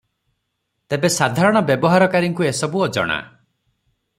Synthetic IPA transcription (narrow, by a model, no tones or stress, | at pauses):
t̪ebesad̪ʱaɾɔɽ̃ɔbjɔbɔɦaɾɔkaɾiŋkuesɔbuɔd͡ʒɔ̰ɽ̃a̰